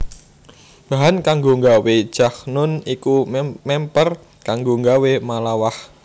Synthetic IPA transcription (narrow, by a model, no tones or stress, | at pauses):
b̥aɦankaŋɡoŋɡawed̥ʒ̥a̤hnʊnikumɛmpər | kaŋɡoŋɡawemalawah